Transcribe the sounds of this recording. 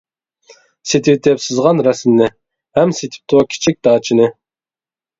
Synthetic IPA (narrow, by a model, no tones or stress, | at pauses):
set̪ʰɪt̪ʰɛpsɨzʁɑnɾɛsmnɪ | hɛmset̪ʰɪ̥p̚t̪ʰʊkʲʰi̥t͡ʃʰik̚ʲd̪̥ɑːt͡ʃʰinɨ